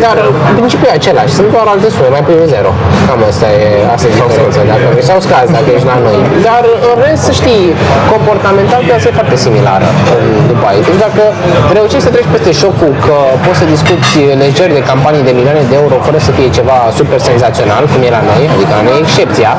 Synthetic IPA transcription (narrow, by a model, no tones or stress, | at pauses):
d̪arɨɨmpɾint͡ʃipjuuat͡ʃe̞laʃʲsɨnt̪̚d̪oaɾoalt̪e̞sume̞majpuiveze̞ɾo̞̰ | kamast̪aje | a̰st̪aeosensad̪akənojsawskazad̪et͡ʃlano̞jd̪arɨnre̞st̪səʃt̪ijko̞mpo̞rt̪ame̞nt̪alkeasajefart̪e̞simila̰ɾə̰kumd̪upəait̪ed̪akə | ɾe̞uʃiʃʲsət̪ɾet͡ʃʲpe̞st̪e̞ʃo̞kukʰəpot̪səd̪iskut̪sʲle̞ʒerʲd̪e̞kampanijd̪e̞milioane̞d̪eeuɾo̞fəɾəsəfije̞t͡ʃe̞vasupe̞rse̞nzat̪sio̞na̰lkumje̞lano̞jad̪ikəaneekʃt͡ʃe̞p̚t̪sia